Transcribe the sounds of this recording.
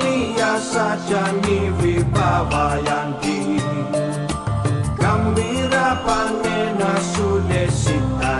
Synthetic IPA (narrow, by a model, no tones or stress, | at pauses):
ijasad͡ʒaniɾibawajaŋdi | kambiɾapaŋɛnasulɛsika